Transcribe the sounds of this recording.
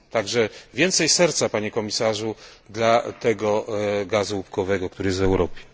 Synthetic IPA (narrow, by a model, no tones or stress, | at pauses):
t̪aɡʐɛvʲjɛnt̪sɛjsɛɾt̪sapaɲɛkɔmʲisaʐud̪lat̪ɛɡɔɡazuupkɔvɛɡɔk̚t̪uɾɘjɛs̬t̪vɛwɾɔpʲjɛ̥